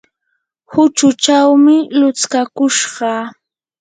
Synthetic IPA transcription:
hʊt͡ʃʊt͡ʃawmɪlʊt͡skakʊʃɢɑ

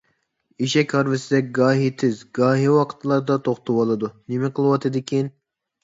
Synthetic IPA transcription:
iʃɛkʲhɑɾvɪsɪd̪ɛɡɑːɦit̪ʰɪzɡɑːɦiwɑqʰə̥t̪lˠɑɾd̪ɑt̪ʰoχt̪ʰɑwɑlˠɨd̪unɪmɪqʰəlˠwɑt̪ʰɨd̪ɪkʲin

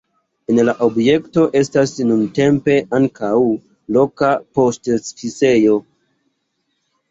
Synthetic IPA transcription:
enlaʔo̞bje̞kto̞ʔe̞stasnunte̞mpe̞ʔaŋkaw | lo̞kapo̞stsfise̞jo̞

